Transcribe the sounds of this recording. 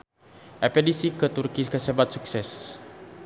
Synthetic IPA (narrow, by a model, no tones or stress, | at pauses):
ʔɛpedisikət̪urkikəsebat̪̚suksɛs